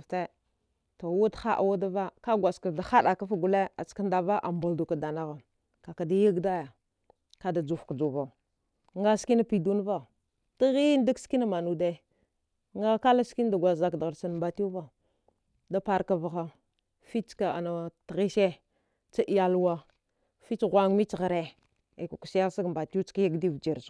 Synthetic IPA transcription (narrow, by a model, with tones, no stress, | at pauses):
te˦ | ta˨wu˦txa˦ʔa̰˨wa˦da˦va˦ka˦ɡʷa˨ska˨da˨xa˦ɗa˨ka˦fa˦ɡu˨le˦a˨t͡ska˦nda˨va˦ʔa̰˨mbu˨ldu˨ka˨da˨na˨ɣa˨ | ka˨ka˨da˦ji˦ɡda˦ja˨ | ka˦da˨d͡ʒu˨fkd͡ʒu˨va˨ | ŋɡa˦ski˦na˦pi˨du˦n˦va˦ | ti˦ɣi˦n˦da˦kski˦na˦ma˨nu˨de˦˨ | ŋɡa˦ka˦la˦ski˦n˦da˨ɡʷa˨za˨kda˨ɣa˨ɾsa˨n˨mba˨tu˦va˦ | da˦pa˨ɾka˨va˨ɣa˦ | fi˦t͡ʃka˨a˨na˨tɣi˦ʃe˦ | t͡ʃa˦ʔi˨ja˦lwa˦ | fi˦t͡ʃɣʷa˨ŋ˦mi˦t͡ʃɣa˨ɾe˨ | e˨ku˨ku̥˨si˦ja˦sa˦ɡmba˨tu˦t͡ʃka˦ja˦ɡdi˦vd͡ʒi˨ɾs